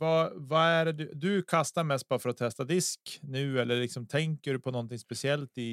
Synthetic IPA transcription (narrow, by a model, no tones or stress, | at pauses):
vɑvaæɾd̪ɵd̪ɵkʰast̪aɾmɛst̪̚bɑːɾafœɾat̪ʰːɛst̪ad̪ɪsknʉ̟ːɛlːəɭɪksɔmt̪ʰɛŋkəɖɵpʰɔnɔnt̪ɪŋspɛsɪɛlt̪ɪ